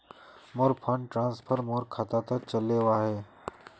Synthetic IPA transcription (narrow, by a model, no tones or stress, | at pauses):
moːɾpʰəɳɖʈɾãːnspʰəɾmoːɾkʰat̪at̪ət͡ʃəlːeʋaːɦe